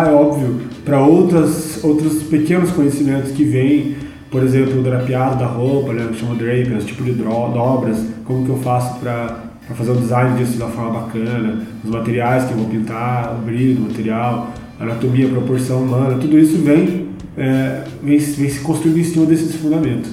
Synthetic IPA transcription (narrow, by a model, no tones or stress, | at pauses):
ɛɔbviʊpɾɐowt̪ɾɐsowt̪ɾɐspekẽnʊskõɲesimẽnt̪ʊskɪvẽj̃ | poɾezẽmplʊd̪aɾɐpiad̪ɐd̪ɐɦowpɐnɛwʃɐ̃mʊd̪ɾejpeʊst͡ʃi̥pʊd͡ʒɪd̪ɔd̪ɔbɾɐskõmʊkɪewfasʊ̥pɾɐ | pɾɐfazeɾʊ̃d̪d͡ʒizãj̃nɪd͡ʒisʊdd͡ʒɪmɐfɔɾmɐbakɐ̃nɐʊzmat̪eɾiajskɪewvowpĩnt̪aobɾiɾd̪ʊmat̪eɾiaw | ɐa̰ːnat̪omiɐpɾopoɾsɐ̃w̃umɐ̃nɐt̪ud̪ʊisʊvẽj̃ | ɛ | vẽj̃vẽj̃sɪ̥kõst̪ɾuĩd̪ẽsĩmɐd̪esɪd̪ɪsfũd̪amẽnt̪ʊ̥